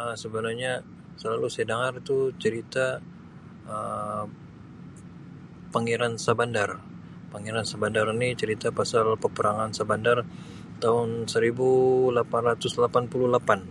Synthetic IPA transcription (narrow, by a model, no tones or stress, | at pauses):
əsəbənaɲa | səlalusedaŋart̪ut͡ʃəɾit̪a | ə | paŋiɾansabandar | paŋiɾansabandarinit͡ʃəɾit̪apasalpəpəɾaŋansabandar | t̪aɦʊnsəɾibulapanrat̪ʊslapanpululapan